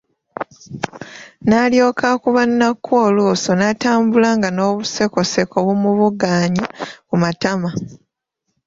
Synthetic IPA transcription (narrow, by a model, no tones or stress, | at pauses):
naljo̞ːkakuβanːakʰːwoːluːso̞nataːmbulaŋɡano̞ːβuse̞ko̞se̞ko̞βumuβuɡaːɲakumatama